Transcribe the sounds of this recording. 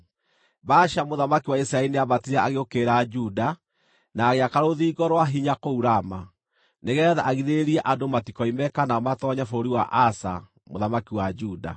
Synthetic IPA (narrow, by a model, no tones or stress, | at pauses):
baʃamoðamakiwaisɾaɛineaβatiɾɛaɣeokeɾad͡ʒuda | naːɣeakaɾoðiɡɔɾwaɦiɲakouɾama | neɣɛːða̰ʔaɣiðeɾiɛʔadomatikɔimɛkanaɔmatɔɲafoɾiwaʔasa̰ | moðamakiwad͡ʒuda̰